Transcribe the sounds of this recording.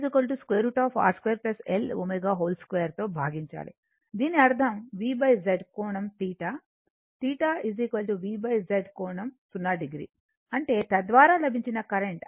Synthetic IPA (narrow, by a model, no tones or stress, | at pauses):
zikʋɐlʈuskʋeːɾuːʈaːpʰa̰ːɾskʋeːɾplɐselo̰mejɡaːɦoːlskʋeːɐɾt̪o̞ːbʱaːɡiɲt͡ʃa̰ːɭḭ | d̪iːniɐɾd̪ʱɐmʋiːbɐjd͡ʒeɖkoːɳɐmt̪iːʈa | t̪iːʈaiziːkʋɐlʈuʋiːbɐjd͡ʒeɖkɔːɳɐmsunːaːɖiɡɾḭː | ɐɳʈe̞ːt̪ɐd̪ʋaːɾaːlɐbʱiɲt͡ʃinɐkɐɾeɳʈ